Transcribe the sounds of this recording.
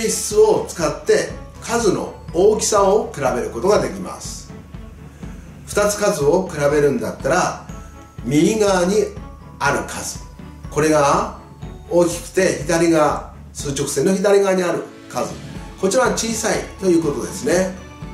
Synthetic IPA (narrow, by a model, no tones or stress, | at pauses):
eɕt͡sɨo̞t͡sɨ̥kat̪ːe̞kʰazɨno̞̰oːkʲi̥saokɯ̟ɾabe̞ɾɯ̟ko̞t̪o̞ɡad̪e̞kʲima̰sɨ̥ | ɸɯ̟̥t̪at͡sɨ̥kazɨo̞kɯ̟ɾabe̞ɾɯ̟̃nd̪at̪ːaɾa | mʲiːɡaːɲ̟i | aɾɯ̟kʰazɨ̥ | ko̞ɾe̞ɡa | o̞ːkʲi̥kɯ̟̥t̪e̞çid̪aɾʲiɡa | sɨːt͡ɕo̞kɯ̟̥se̞nːo̞çid̪aɾʲiɡaːɲ̟iaɾɯ̟̰ | kazɨ̰ko̞t͡ɕiɾaβat͡ɕiːsait̪o̞jɯ̟ːko̞t̪o̞d̪e̞sɨne̞